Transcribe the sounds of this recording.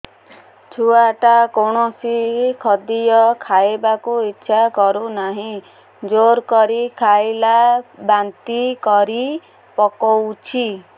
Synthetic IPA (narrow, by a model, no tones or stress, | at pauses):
t͡ʃʰuaʈakoɳ̃ɔsikʰɔd̪ijɔkʰaebakuitːʃʰakɔɾunaɦĩ | d͡ʒoɾkɔɾikʰajlabant̪ikɔɾi | pɔkɔwt͡ʃʰi